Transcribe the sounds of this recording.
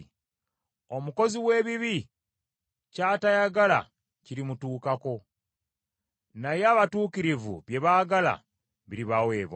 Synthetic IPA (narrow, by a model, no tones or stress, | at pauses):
o̞muko̞ziwe̞ːβiβi | caːtajaɡala̰ | ciɾimutuːkako̞ | najaːβatuːkiɾivṵβje̞βaɡala̰ | βiɾiβawe̞ːβa